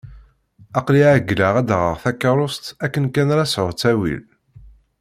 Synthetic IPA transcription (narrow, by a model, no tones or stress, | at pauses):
ɑqliʕæɡləʁæd̪ʁəʁθækːɑɾˤʊst̪ækːənkænɾæsʕʊɾt͡sːæwḭl